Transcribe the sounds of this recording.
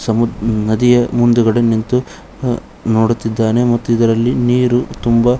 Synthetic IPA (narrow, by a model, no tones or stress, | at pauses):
sɐmunɐd̪ijɐmund̪uɡɐɽenːint̪u | noːɽut̪ːid̪ːaːne̞mɐt̪ːuid̪ɐɾɐlːiniːɾut̪umbɐ